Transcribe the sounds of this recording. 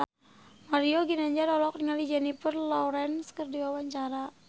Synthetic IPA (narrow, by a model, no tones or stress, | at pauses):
maɾioɡinaɲd͡ʒaɾɔlɔkriŋalid͡ʒɛnifərlɔɾɛnskərdiwawaɲt͡ʃaɾa